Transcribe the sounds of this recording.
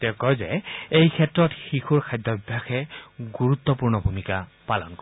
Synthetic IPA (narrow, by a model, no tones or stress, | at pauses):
tɛʊkɔjzɛejkʰɛtɹɔtxixuɹkʰajdʱɔbibʱːaxɛɡuɹut̪ːɔpuɹnɔbʱumikapalɔ̰nkɔ